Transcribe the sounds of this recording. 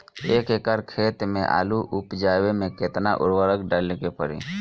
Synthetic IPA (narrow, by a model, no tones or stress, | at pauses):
eːkekəɾkʰeːt̪mẽʔa̰ːluʔʊpd͡ʒaːwemẽket̪naʔʊ̰ɾwəɾəkɖalkepəɾḭ